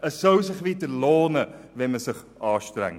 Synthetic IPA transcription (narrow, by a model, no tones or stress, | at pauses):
əsəwsəχvitəloːnəvɛməsəχ | ɑːstrɛ̰ŋ